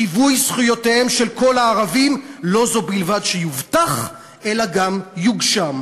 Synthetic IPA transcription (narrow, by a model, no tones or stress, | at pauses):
ivujsχujo̞tehe̞mʃe̞lko̞laːʁavimlo̞zo̞bilvadʃejuvt̪aχ | ʔe̞laɡamjuɡʃam